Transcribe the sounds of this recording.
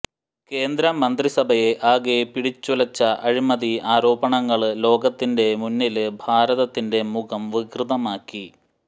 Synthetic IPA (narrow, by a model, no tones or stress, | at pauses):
ke̞ːnd̪ɾɐmːɐnd̪risɐbʱɐje̞ʔaːɣepiɽit͡ɕːulɐt͡ɕːɐʔɐɻimɐðiaːɾo̞ːbɐɳɐŋːɐɭlo̞ːɡɐt̪ːinde̞munːilɨbʱaːɾɐðɐt̪ːinde̞mukʰɐmʋiɡrɨðɐmaːkːi